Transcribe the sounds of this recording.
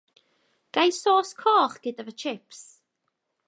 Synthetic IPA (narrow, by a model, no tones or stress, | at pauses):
ɡ̥ajsoːskʰɔːχɡ̥ɪdavət͡ʃʰɪps